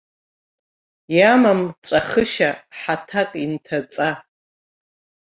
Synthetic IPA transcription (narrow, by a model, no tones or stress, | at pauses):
jamamt͡ʃʷʼaχəʃaħatʰakʼintʰat͡sʼa